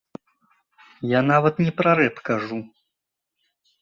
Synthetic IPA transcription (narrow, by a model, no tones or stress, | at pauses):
jan̪avɐt̪nʲɛpɾaɾɛpkaʐu